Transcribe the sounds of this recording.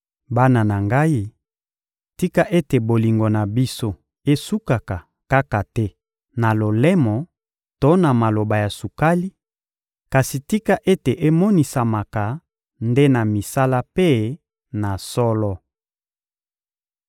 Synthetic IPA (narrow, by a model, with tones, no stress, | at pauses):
ba˦na˨na˨ŋɡa˦i˦ | ti˦ka˦ʔe˦te˨bo˨li˨ŋɡo˨na˨bi˦so˦ | e˦su˦ka˨ka˨ | ka˦ka˨tɛ˦ | na˨lo˨lɛ˦mɔ˨ | to˦na˨ma˨lo˨ba˨ja˨su˨ka˦li˦ | ka˨si˨ti˦ka˦ʔe˦te˨ʔe˦mɔ˦ni˨sa˨ma˨ka˨ | nde˦na˨mi˨sa˦la˦pe˦ | na˨sɔ˦lɔ˦